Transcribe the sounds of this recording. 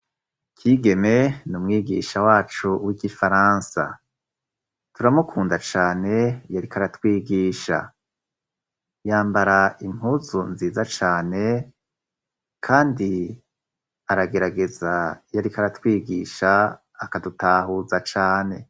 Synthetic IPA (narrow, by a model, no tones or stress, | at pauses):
kʰiɡe̞me̞numŋiːɡḭːʃawaːt͡ʃuwiɡifaɾaːnsa̰ | tuɾamukʰuːndat͡ʃaːne̞jaɾikaɾatwiːɡiːʃa̰ | jaːmbaɾaim̥huːzunziːzat͡ʃaːne̞ | kʰaːndi | aɾaɡe̞ɾaɡe̞zajaɾikaɾatwiːɡiːʃaː | kadutaːɦuzat͡ʃaːne̞